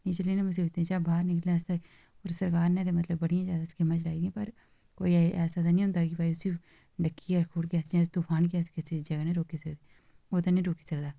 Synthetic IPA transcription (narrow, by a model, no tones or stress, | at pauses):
nĩːt͡ʃəliːnẽːmʊseːbɪt̪ːẽt͡ʃaːbʱaːɾnɪkəlɛːst̪a | oːɾsəɾkaːɾnẽːt̪eːmət̪ləbːəɽijãːzjaːd̪aːskemãːt͡ʃlaːiːɡĩːpəɾ | koːiɛːsaːt̪aːnĩːʊ̃nd̪aːkɪbaːiːʊsiː | ɖəkːiːaːɾkʰuːɽkɛːsãst̪uːpʰaːnk̬ɛːskɪsid͡ʒəɡaːnẽːɾoːkeːsəkd̪eː | oːt̪aːnĩːɾoːki̥ːsəkd̪aː